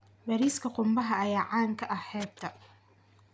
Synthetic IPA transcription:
bɐɾiːskʰɐqʊmbɐɦɐɐjaːʕaːŋkʰɐʔɐhɛːd̪ɐ

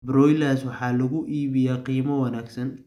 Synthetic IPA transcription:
brɔjlaswɑħɑːlɐɣʊʔiːβɪjaːqiːmɐwɐnaːɡsɐn

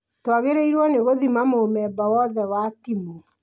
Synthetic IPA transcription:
twaɣeɾeiɾwɔneɣoðimamomɛːbawɔðɛwatimo

